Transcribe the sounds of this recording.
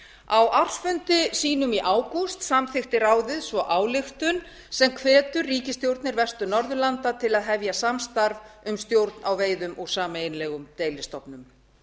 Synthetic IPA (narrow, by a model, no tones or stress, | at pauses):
awʔar̥sfʏnt̪ɪsiːnʏmiʔaːwkust̪samθɪxt̪ɪɾaːwðɪðsvɔʔaːwlɪxt̪ʏn | sɛmkʰvɛːt̪ʏrːiːcɪst̪jowɾt̪nɪɾvɛst̪ʏnɔɾðʏlant̪at̪ʰɪlaðɦɛvjasamst̪aɾvʏmst̪jowɾt̪nʔawveːjðʏmʔɔɣsaːmaejnlɛːɣʏmt̪eːjlɪst̪ɔpnʏm